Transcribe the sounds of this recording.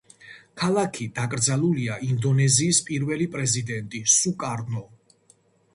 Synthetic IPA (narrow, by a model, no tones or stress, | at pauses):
kʰalˠakʰid̪̥akʼɾd̪zalˠuliaʔind̪ɔnɛziːspʼiɾvɛlipʼɾɛzid̪ɛnt̪ʼisukʼaɾnɔ